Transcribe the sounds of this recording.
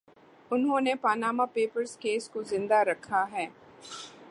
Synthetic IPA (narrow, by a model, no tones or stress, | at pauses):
ʊnɦõːnepaːnaːmapeːpəɾskeːskozɪ̃nd̪aɾɐkʰːaɦɛː